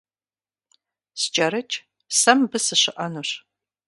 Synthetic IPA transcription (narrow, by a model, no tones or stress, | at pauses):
st͡ʃʼɐɾɨt͡ʃʼ | sɐmbɨsɨɕɪʔɐnuɕ